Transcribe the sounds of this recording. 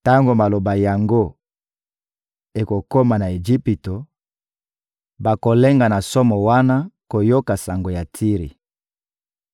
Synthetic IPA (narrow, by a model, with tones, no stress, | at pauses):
ta˦ŋɡo˨ma˨lo˨ba˨ja˨ŋɡo˦ | e˨ko˨ko˦ma˨na˨e˨d͡ʒi˦pi˨to˨ | ba˨ko˨le˦ŋɡa˨na˨so˦mɔ˨wa˦na˦ko˨jo˦ka˨sa˨ŋɡo˨ja˨tʰi˦ʁḭ˨